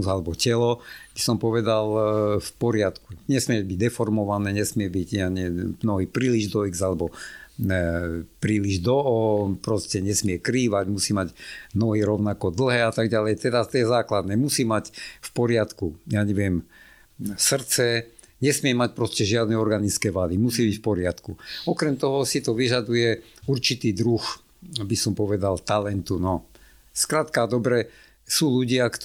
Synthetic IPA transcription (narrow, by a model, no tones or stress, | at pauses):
zalɛbɔcɛlɔb̥isɔmpɔʋɛd̪alfpɔɾɪat̪kuɲɛsmɪɛbiɟd̪ɛfɔɾmɔʋanɛːɲɛsmɪɛbiɟɲaɲɛnɔɦipɾiːliʒd̪ɔiɡzalɛbɔ | pɾiːliʒd̪ɔɔpɾɔscɛɲɛsmɪɛkɾiːʋaɟmusiːmaɟnɔɦiɾɔʊnakɔd̪l̩ˠɦɛːat̪aɡɟalɛjt̪ɛd̪at̪jɛzaːklad̪nɛːmusiːmacfpɔɾɪat̪kujaːɲɛʋɪɛm | sr̩t͡sɛ | ɲɛsmɪɛmac̚pɾɔscɛʒɪad̪nɛɔɾɡanit͡skɛːʋad̪imusiːbicfpɔɾɪat̪kuɔkɾɛmt̪ɔɦɔsit̪ɔʋiʒad̪ujɛuɾt͡ʃit̪iːd̪ɾux | abisɔmpɔʋɛd̪alt̪alɛnt̪unɔ | skɾat̪kad̪ɔbɾɛ | suːluɟɪakt̪